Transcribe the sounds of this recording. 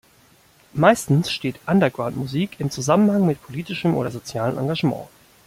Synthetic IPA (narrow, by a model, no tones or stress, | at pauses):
maɪstn̩sʃteːtʔandɐɡʁaʊntmuziːkɪmt͡suzamənhaŋmɪtpʰoliːtɪʃəmʔo̰ːdɐzot͡sjaːlənʔaŋɡaʒmɑ̰̃ː